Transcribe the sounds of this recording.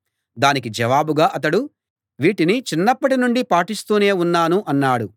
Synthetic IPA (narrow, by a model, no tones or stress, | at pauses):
d̪aːnikid͡ʒɐʋaːbuɡaːʔɐt̪̬ɐɽu | ʋiːʈinit͡ʃinːɐpːɐʈinuɳɖipaːʈist̪uːne̞ːunːaːnuʔɐnːaːɽu